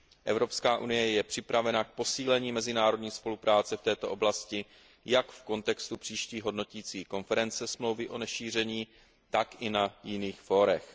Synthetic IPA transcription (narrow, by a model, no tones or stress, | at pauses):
ʔɛvɾo̞pskaːʔunɪjɛjɛpr̝̥ɪpɾavɛnak̚po̞siːlɛɲiːmɛzɪnaːɾo̞dɲiːspo̞lupɾaːt͡sɛft̪ɛːt̪o̞ʔo̞blascɪ | jakfko̞nt̪ɛkst̪upr̥iːʃciːɦo̞dno̞ciːt͡siːko̞nfɛɾɛnt͡sɛsmlo̞wvɪʔo̞nɛʃiːr̝ɛɲiː | t̪akʔɪnajɪniːxfo̞ɾɛx